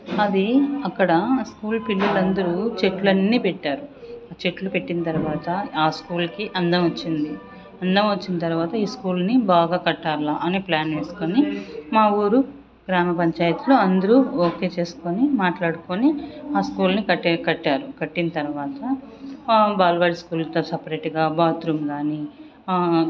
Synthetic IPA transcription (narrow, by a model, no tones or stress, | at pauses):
ɐd̪iɐkːɐɽɐskuːlpilːɐlɐnd̪ɐɾut͡ʃe̞ʈlɐnːipeʈːaːɾuat͡ʃe̞ʈlupe̞ʈːinɐt̪ɐɾuʋaːt̪ɐaːskuːlkiʔɐnd̪ɐmʋɐt͡ʃːind̪i | ɐnd̪ɐmɐt͡ʃːinɐt̪ɐɾuʋaːt̪ɐiːskuːlnibaːɡaːkɐʈːaːɾlaːʔɐneːplaːnʋeːsu̥konimaːuːɾu | ɡɾaːmɐpɐɲt͡ʃaːjɐt̪uloːɐnd̪ɐɾuoːke̞ːt͡ʃe̞ːsu̥konimaːʈlaːɽukoniaːskuːlnikɐkɐʈːaːɾukɐʈːinɐt̪ɐɾuʋaːt̪ɐ | baːlʋaːɽiskuːlt̪osɐpɾeːʈɡaːbaːt̪ɾumɡaːniː